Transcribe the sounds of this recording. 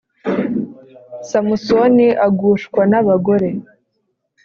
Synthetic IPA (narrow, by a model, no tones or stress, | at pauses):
samuso̞niʔaɡuːʃkwanaβaɡo̞ɾe̞